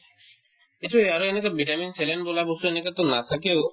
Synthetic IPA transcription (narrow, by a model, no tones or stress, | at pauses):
kit̪ʰueaɾoenekabiʈaminsʰelenbolabost̪uenekat̪onat̪ʰakeo